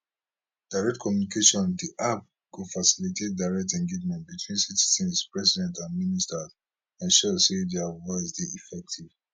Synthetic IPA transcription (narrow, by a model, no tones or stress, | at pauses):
d̥aɪɹɛk̚tkʰɔmjunikʰeʃɔ̃ndiʔap̚ | ɡofasilitʰet̚daɪɹɛk̚tɛ̃ŋɡed͡ʒmɛ̃nt̚bitʰwĩnsiti̥zɛ̃nspɹɛsidɛ̃ntãnministaz | ãnʃɔsedɛavɔɪsdeifɛk̚tʰiv